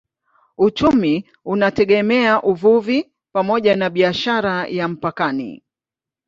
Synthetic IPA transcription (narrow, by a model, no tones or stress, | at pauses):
ut͡ʃumi | unatɛɠɛmɛaʔuvuvi | pamɔʄanaɓiaʃaɾajam̩pakanḭ